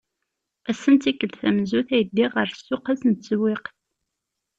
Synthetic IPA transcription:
æsːənt̪ikːəlθæmzuθæjəd̪ːiʁəɾsːʊqæsənt̪t͡swiqθ

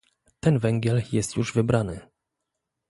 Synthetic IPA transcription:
t̪ɛnvɛŋɡʲjɛljɛst̪juʐvɘbɾanɘ

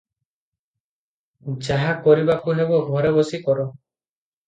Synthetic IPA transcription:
d͡ʒaɦakɔɾibakuɦebɔɡʱɔɾebɔsikɔɾɔ

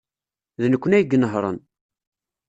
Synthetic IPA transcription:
ðnəkʷːənæjɡːənəɦɾˤə̰n

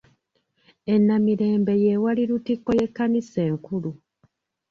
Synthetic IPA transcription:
e̞nːamiɾe̞ːmbe̞je̞waliɾutikːo̞je̞kːanise̞ːŋkulu

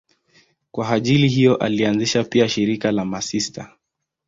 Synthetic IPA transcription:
kwaaʄiliɦijɔʔa̰lianziʃapiaʃiɾikalamasista̰

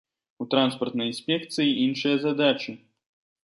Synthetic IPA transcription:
ut̪ɾanspɐrt̪nɐjinʲsʲpʲɛkt̪sɨjiʔinʂɨjɐzad̪at͡ʃɨ

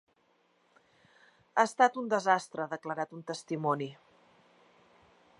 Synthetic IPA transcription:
aəst̪at̪und̪əzast̪ɾəaðəkləɾat̪unt̪əst̪imɔni

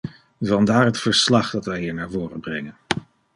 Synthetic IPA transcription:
vɑndaːɹɦətfəɹslɑχdɑtʋɛjɦiːɹnaːɹvʊːrəbrɛŋən

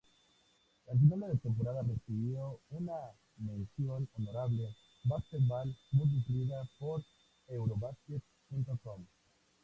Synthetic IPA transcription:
laʒ̬inalaðet̪emp̬oɾaðaresiβjouna | mẽnsjononoɾaβle | basket̪̚balmũjs̬ufɾiðapoɾ | ewɾoβasket̪̚ | pũnt̪okom

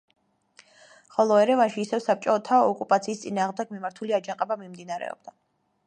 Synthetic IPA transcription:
χɔlˠɔɛɾɛvanʃiːsɛvsap̚t͡ʃʼɔt̪ʰaɔkʼupʼat̪sʰiːst̪sʼinaːʁmd̪ɛɡmimaɾt̪ʰuliad͡ʒaŋqʼɛbamimd̪inaɾɛ̰ɔ̰b̥̚d̪a

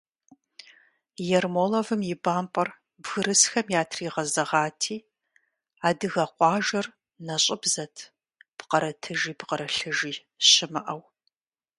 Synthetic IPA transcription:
jɛrmoːlɐvɨmjɪbaːmpʼɐr | bɣɨɾɨsxɐmjaːtʰriːʁɐzɐʁaːtʰiː | aːdɨɣɐqʷɑːʒɐr | nɐɕʼɪbzɐtʰ | pqɐɾɐtʰɨʒiːpqɐɾɐɬɨʒiː | ɕɪmɐʔɐw

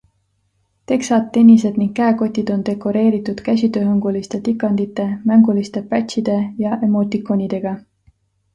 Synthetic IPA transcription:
t̪e̞ksɑt̪ːe̞nʲise̞d̪̥niŋɡ̥̚kːæeko̞t̪ʲːˑid̪̥o̞nd̪̥e̞kːˑo̞ɾe̞ːɾit̪ːˑud̪̥kæs̬ʲit̪ø̞ːɦɤŋɡ̥ulist̪e̞t̪ikːˑɑnd̪it̪ːˑe̞mæŋɡulist̪e̞pæt̪ʲɕid̪̥e̞jɑʔemo̞ːt̪ikˑonʲid̪̥e̞ɡ̥ɑ

